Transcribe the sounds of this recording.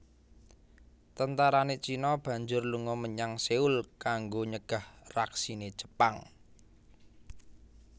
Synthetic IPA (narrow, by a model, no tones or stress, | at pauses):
t̪ənt̪aɾanet͡ʃinɔb̥ä̤ɲd͡ʒʊrluŋɔməɲaŋseulkaŋɡoɲəɡ̥a̤hraksine̥ʒ̥ə̥paŋ